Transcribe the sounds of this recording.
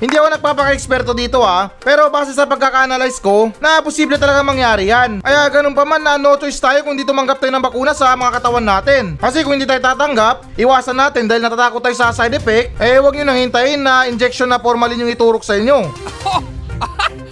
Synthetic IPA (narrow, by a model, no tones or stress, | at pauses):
hɪnd̪iːɐkonɐɡ̚paːpɐkɐɛkspɛɾt̪o̞d̪iːt̪o̞ʔapɛːɾo̞baːsɛsɐpɐɡ̚kːakaʔɐnalajsko̞nɐposiːblɛt̪ɐlɐɡaŋmɐŋjaːɾɪjanʔɐjaɡɐnonpɐmanːɐno̞ːt͡ʃoʔɪst̪aːjokʊŋhɪnd̪iːt̪ʊmɐŋɡɐp̚t̪aːjonɐŋbɐkuːnɐsɐmɐŋakɐt̪ɐwanːaːt̪ɪnkɐsɛkʊŋhɪnd̪iːt̪aːjot̪aːt̪ɐŋɡap̚ʔɪwaːsɐnːaːt̪ɪnd̪aːhɪlnɐt̪at̪aːkot̪ːaːjosɐsajd̪ɛfɛk̚t̪̚ʔɛwɐɡ̚ɲʊnɐŋhɪnt̪ajɪnːɐʔɪnd͡ʒɛk̚ʃonːɐpoɾmalɪɲjʊŋɪt̪uːɾok̚sɐʔɪɲjo̞